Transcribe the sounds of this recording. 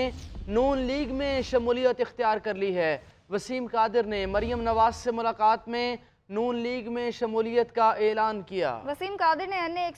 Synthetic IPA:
nuːnliːɡmẽʃɐmuːlijət̪ɪxt̪ijaːɾkɐɾliɦɛː | ʋɐsiːmkaːd̪ɪɾnemɐɾijəmnɐʋaːzsemʊlaːqaːt̪mẽ | nuːnliːɡmẽʃɐmuːlijət̪kaʔeːlaːnkija̰ːʋɐsiːmkaːd̪ɪɾneɐnːeːk

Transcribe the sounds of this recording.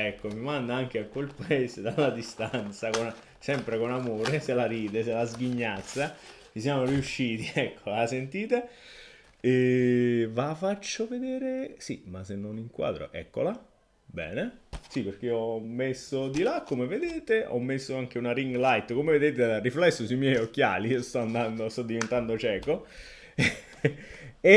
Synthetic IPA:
ɛkːomimand̪aaŋk̟eakwelpaɛːsed̪alːad̪ist̪ant̪sakon | sɛmpɾekonamoːɾeselaɾiːd̪eselazɡiɲːat̪sːa | t͡ʃis̬jamoriuʃːiːt̪iɛkːolasent̪iːt̪e | e | vafat͡ʃːoved̪eːɾesḭmasenːoniŋkwa̰ːd̪ɾo̰ʔɛ̰kːo̰la | bɛ̰ːnesiperk̟eɔmːesːod̪ilakːomeved̪eːt̪eʔɔ̰mːesːoaŋk̟eunaɾiŋɡlajt̪komeved̪eːt̪edarːiflɛsːosuimjɛjok̟ːja̰ːliiːost̪ɔand̪and̪ost̪ɔd̪ːivent̪and̪ot͡ʃɛːko | e

